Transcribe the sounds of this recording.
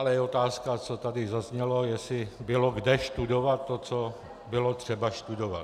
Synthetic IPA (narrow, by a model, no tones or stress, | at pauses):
alɛjɛo̞t̪aːskat͡sot̪adɪzazɲɛlojɛsɪbɪloɡdɛʃt̪udovat̪ːot͡so | bɪlot̪r̝̥ɛbaʃt̪udova̰t̪